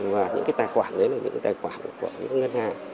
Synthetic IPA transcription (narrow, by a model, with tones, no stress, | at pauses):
vaː˨˩ɲɨ̰˧˥ŋkaː˨˦jt̪aː˨˩jxwaː˧˩nɗə˨˦laː˨˩ɲɨ̰˧˥ŋkːa˨˦jt̪ːjxwaː˧˩n˨˩ku˧˩əɲɨ̰˧˥˦ŋə˧nhaː˨˩ŋ